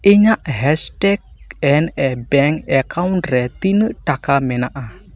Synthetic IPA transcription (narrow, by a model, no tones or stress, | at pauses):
ʔiɲaʔɦɛstɛk̚ɛnɛbɛŋkɛkawntɾɛt̪inəʔʈakamɛnaʔa